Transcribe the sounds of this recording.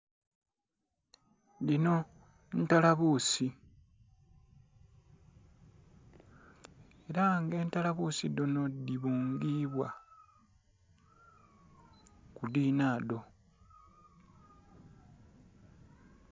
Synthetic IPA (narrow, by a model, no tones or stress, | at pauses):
lino̞ | ntalaβuːsi | e̞ɾaŋɡe̞ːntalaβuːsidono̞diβuːŋɡiβwa | kudiːnaːdo̞